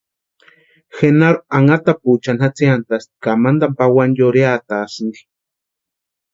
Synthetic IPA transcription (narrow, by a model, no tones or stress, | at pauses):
xenaɾoaŋat̪aput͡ʃanhat͡siant̪ast̪i̥kamand̪ampawanjoɾeat̪asɨnɡ̪i̥